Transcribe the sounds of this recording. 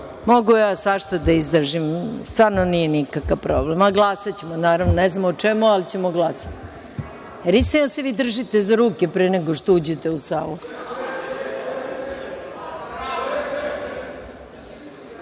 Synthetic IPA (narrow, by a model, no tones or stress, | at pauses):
moɡujaːsʋaʃt̪od̪aizd̪r̩ʒimst̪vaːɾnonijenikakaʋpɾoːblemaɡlˠaːsat͡ɕemonaːɾaʋnoneznamot͡ʂemualit͡ɕe̞moɡlˠasḁt̪ | jeɾist̪inase̞ʋiːd̪r̩ʒit̪ezaɾuːkepɾeneɡoʃt̪oud͡ʑet̪e̞usaːlu